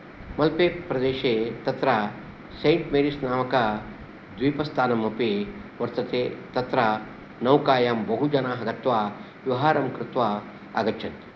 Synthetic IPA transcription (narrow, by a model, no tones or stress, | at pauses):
mɐlpeːpɾɐd̪eːʃeːt̪ɐt̪ɾa | seːɳʈmeːɾisnaːmɐka | d̪ʋiːpɐst̪aːnɐmɐpeʋɐɾt̪ɐt̪eːt̪ɐt̪ɾa | nɐwkaːjaːmbɐɦud͡ʒɐnaːɦɐɡɐt̪ʋaː | ʋɐʋɦaːɾɐmkɾɪt̪ʋaː | a̰ɡɐt͡ʃʰɐt̪